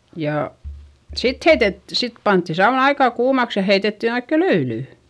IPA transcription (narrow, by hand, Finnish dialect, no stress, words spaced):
jɑˑ sit heitet sit pɑntːi sɑun ɑikɑˑ kuːmɑks jɑ heitetːin oikːe løylyˑ